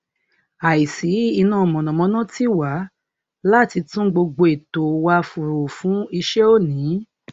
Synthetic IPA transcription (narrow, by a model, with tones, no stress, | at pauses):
a˨i˨si˨˦i˧nã˦˨mɔ̃˨nɔ̃˨mɔ̃˧˦nã˦ti˦wa˨˦ | la˦˨ti˧tũ˦ɡ͡bo˧ɡ͡bo˧e˨to˨wa˧fu˨ɾu˨fũ˨˦i˧ʃe˦o˦nĩ˨˦